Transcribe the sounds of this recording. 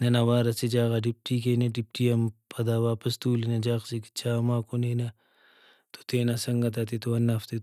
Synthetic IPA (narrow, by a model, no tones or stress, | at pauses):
nɐnɐwaːɾɐsid͡ʒaːɣɐɖip̚ʈiːkeneɖip̚ʈiɐmpʰɐd̪aːwaːpɐst̪uːlinɐd͡ʒaːksiki̥t͡ʃʰaːmaːkonenɐ | t̪o̥t̪eːnasɐŋɡɐt̪̬at̪̬it̪oɐnːaft̪e